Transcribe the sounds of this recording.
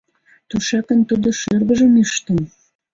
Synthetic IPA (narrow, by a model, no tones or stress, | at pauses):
t̪uʃɑkə̆nt̪ud̪oʃørɣə̆ʒə̆miʃt̪ə̆m